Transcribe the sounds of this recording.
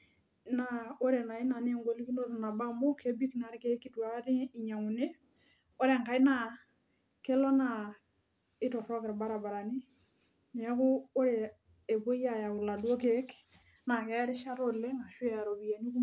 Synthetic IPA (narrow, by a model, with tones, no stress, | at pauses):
na˨o˦ɾe˨na˨i˦na˨ni˦e˨ŋɡo˨li˦ki˦no˦ɾna˨ba˦mbo˦ke˦bi˦kna˨ɾi˦ke˦ki˦twa˨˦ɾi˦i˨ɲa˨ŋu˨ne˦ | o˦ɾe˨ŋka˨i˦na˦ | ke˦lo˦na˨ | ɪ˦tɔ˨ɾɔ˦kɪ˨ɾba˦ɾa˨ba˨ɾa˨ni˦ | n˨a˦kʊ˦o˦ɾeː˨ | po˦i˦a˦˨ja˨u˨la˨du˦o˦ke˦k | na˨kɛ˦ɾɪ˦ʃa˦ɾo˦le˦ŋa˨ʃu˦ɛ˦˨ɾo˨bi˨ja˨ni˦ku˦